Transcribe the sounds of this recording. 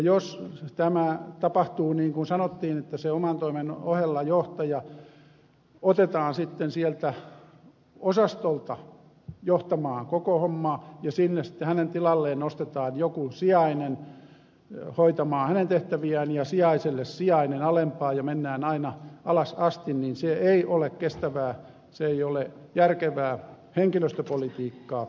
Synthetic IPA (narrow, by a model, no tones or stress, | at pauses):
jjost̪æmæt̪ɑpɑht̪uːniːŋkunsɑnot̪ːiːnet̪ːæseomɑnt̪oimenohelːɑjoht̪ɑjɑ | ot̪et̪ɑːnsit̪ːensielt̪æ | osɑst̪olt̪ɑ | joht̪ɑmɑːŋkokohomːɑːjɑsinːesi̥t̪ːehænent̪ilɑlːeːnnost̪et̪ɑːnjokusiɑinen | hoit̪ɑmɑːhænent̪eht̪æʋiæːnjɑsiɑiselːessiɑinenɑlempɑːjɑmenːæːnɑinɑɑlɑsɑst̪inninseeiʔolekkest̪æʋæː | seeiole | jærkeʋæː | heŋkiløst̪øpolit̪iːkːɑː